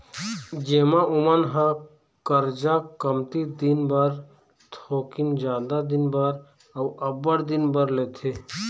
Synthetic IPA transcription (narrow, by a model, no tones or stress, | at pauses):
d͡ʒeːmãʔʊmənɦã | kəɾd͡ʒakəmt̪id̪ɪnbəɾ | t̪ʰoːkɪnd͡ʒjaːd̪ad̪ɪnbəɾ | əwɐbəɽd̪ɪnbəɾleːt̪ʰe